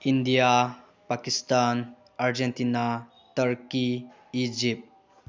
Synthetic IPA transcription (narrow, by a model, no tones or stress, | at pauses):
indija | pakistan | aɾd͡ʒentina | tɐɾki | id͡ʒip̚